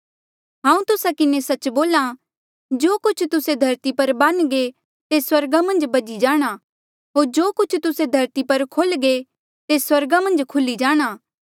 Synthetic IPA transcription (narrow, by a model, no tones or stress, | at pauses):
ɦãːũt̪ʊsakɪnesɐt͡ʃboːla | d͡ʒoːkʊt͡ʃʰt̪ʊsed̪ʱɐɾt̪ipɐɾbanɡe | t̪eswɐɾɡamɐ̃nd͡ʒbɐd͡ʒid͡ʒaːɽ̃a | ɦoːɾd͡ʒoːkʊt͡ʃʰt̪ʊsed̪ʱɐɾt̪ipɐɾkʰoːlɡe | t̪eswɐɾɡamɐ̃nd͡ʒkʰʊlid͡ʒaːɽ̃aː